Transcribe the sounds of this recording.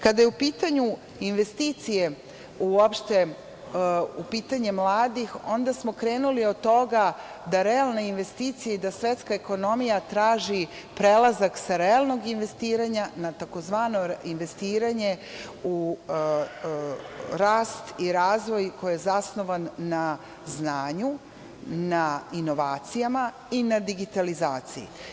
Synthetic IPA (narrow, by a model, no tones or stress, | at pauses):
kad̪ajeupiːt̪aɲu | inʋe̞st̪iːt̪sije̞ | uopʃt̪e̞ | upiːt̪aɲe̞mlˠaːd̪ixo̞nd̪asmo̞kɾe̞ːnulio̞d̪̚t̪ːo̞ɡa | d̪aɾealˠneinʋe̞st̪iːt̪sijaid̪asʋe̞t̪skaeko̞no̞mijat̪ɾaːʒi | pɾelˠazaksaɾealˠno̞ɡinʋe̞st̪iːɾaɲanat̪ako̞zʋaːno̞inʋe̞st̪iːɾaɲe̞u | ɾaːst̪iɾaːzʋo̞jko̞jijezasno̞ʋanːa | znaːɲu | naino̞ʋaːt̪sijama | inad̪iɡit̪alizaːt̪sijḭ